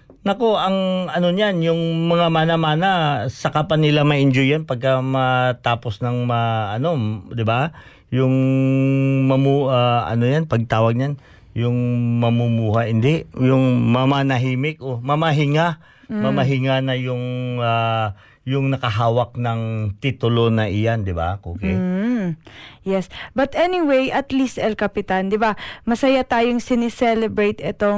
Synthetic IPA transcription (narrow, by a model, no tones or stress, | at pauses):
nɐko̞ʔɐŋɐno̞njanjʊŋmɐŋamaːnɐmaːnasɐkapɐnɪlamɐʔɪnd͡ʒojɐnpɐɡ̚kamɐt̪aːpo̞snɐŋmɐʔɐno̞d̪ɪba | jʊŋ | mɐmuʔaʔɐ̰nojanpɐɡ̚t̪aːwɐɡ̚ɲan | jʊŋmɐmumuːɦaʔɪnd̪ɛʔjʊŋmamanɐɦiːmɪk̚ʔomɐmɐɦɪŋa | mɐmɐɦɪŋanɐjʊŋa | jʊŋnɐkɐɦaːwɐk̚nɐŋt̪iːt̪ʊlonɐʔɪjand̪ɪba̰ʔoːkɛj | jɛsbɐt̪ʔɛniwejʔɐt̪list̪ɛlkɐpɪt̪and̪ɪbamɐsɐjat̪aːjoŋsɪnɪsɛlɛbɹejt̪ɛt̪o̞